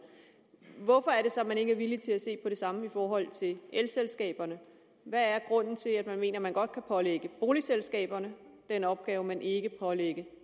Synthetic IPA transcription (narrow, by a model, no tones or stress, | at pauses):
ʋɒfɒ̽æɐɾe̝sɒ̽mæne̝ɡ̥əæɐʋilit͡sʰe̝læse̝̰ːpʰɒ̽ɾ̥e̝sɑ̈məifɒːɦɒ̽l̰t͡sʰe̝lelselsɡ̥ɛ̰ːb̥ɐnə | ʋææɐɡ̥ʁɔ̽n̰n̩t͡sʰe̝læd̥mænme̝̰ːnɐmænɡ̥ɒ̽d̥̚kʰæpʰɒ̽leɡ̥əb̥o̝ːliselsɡ̥ɛ̰ːb̥ɐnəd̥enɒ̽b̥̚ɡ̥ɛːʊəmænʔe̝ɡ̥əpʰɒ̽leɡ̥ə